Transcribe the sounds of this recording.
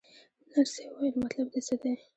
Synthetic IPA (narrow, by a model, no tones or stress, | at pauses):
naɾsewajlmat̪lab̚d̪esəd̪e